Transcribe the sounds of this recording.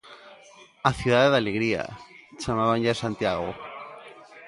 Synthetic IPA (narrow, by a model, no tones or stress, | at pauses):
aθjuðaðeðaleɣɾia̰t͡ʃamaβanʎasant̪jaɣo̰